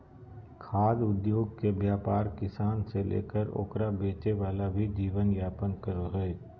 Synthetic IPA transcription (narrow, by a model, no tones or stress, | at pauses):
kʰaːd̪ʊd̪joːɡ̚kebjaːpaːɾkɪsaːnselʔḛːkəɾo̰ːkɾabeːt͡ʃeʋaːlabʱid͡ʒiːʋənjaːpənkəɾoɦɛe